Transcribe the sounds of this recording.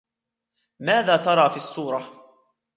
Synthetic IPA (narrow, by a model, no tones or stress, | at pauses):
maːðaːt̪ɑɾˤɑːfiːʔɑsːuːɾˤɑ